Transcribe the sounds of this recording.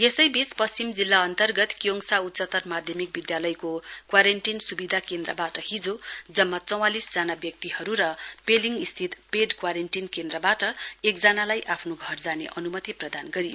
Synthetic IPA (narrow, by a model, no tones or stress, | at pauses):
jesʌjbit͡spʌst͡simd͡zilːaʌnt̪ʌrɡʌt̪kjoŋsaut̪ːsʌt̪ʌrmad̪ʱjʌmik̚bid̪jalʌjkokwaɾenʈinsubid̪ʱakend̪rʌ̰baʈʌhid͡zod͡zʌmːat͡sʌw̃alisd͡zanabjʌk̚t̪iɦʌɾuɾʌpeliŋɡist̪ʰit̪peɖkwaɾenʈinkend̪rʌbaʈʌek̚d͡zanalajʔapʰnoɡʱʌrd͡zanḛʔʌnumʌt̪iprʌd̪anɡʌɾijo